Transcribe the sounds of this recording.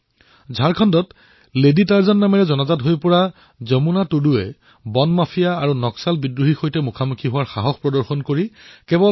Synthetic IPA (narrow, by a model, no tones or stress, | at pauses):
zʱaɹkʰɔndɔt | leditaɹzɔnːamɛɹɛzɔnazatɦojpɔɹa | zɔmunatuduɛ | bɔnmapʰijaːɹunɔksalbidɹuɦixojtɛmukʰamukʰiɦʊwaɹxaɦɔxpɹɔdɔɹxɔnkoɹikɛbɔ